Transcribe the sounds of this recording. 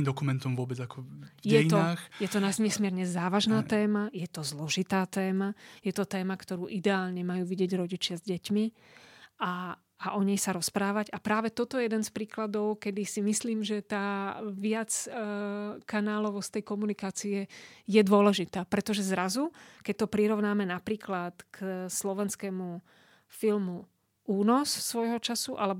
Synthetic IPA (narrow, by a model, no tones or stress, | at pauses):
imd̪ɔkumɛnt̪ɔmʋʊɔbɛd͡zakɔjɛiɔaːxjɛt̪ɔnaɲɛsmɪɛɾɲɛzaːʋaʒnaːt̪ɛːmajɛt̪ɔzlɔʒit̪aːt̪ɛːmajɛt̪ɔt̪ɛːmakt̪ɔɾuːʔid̪ɛaːlɲɛmajuːʋiɟɪɛɟɾɔɟit͡ʃɪazɟɛcmi | ʔaː | ʔɔɲɛjsaɾɔspɾaːʋaɟapɾaːʋɛt̪ɔt̪ɔjɛjɛd̪ɛnspɾiːklad̪ɔʊkɛd̪isimisliːmʒɛt̪aːʋɪat͡s | kanaːlɔʋɔst̪ɛjkɔmunikaːt͡siɛjɛd̪ʊɔlɛʒit̪aːpɾɛt̪ɔʒɛzɾazukɛc̚t̪ɔpɾiɾɔʋʊnaːmɛnapɾiːklat̪kslɔʋɛnskɛːmu | filmu | uːnɔssʋɔjɦɔt͡ʃasuʔalɛb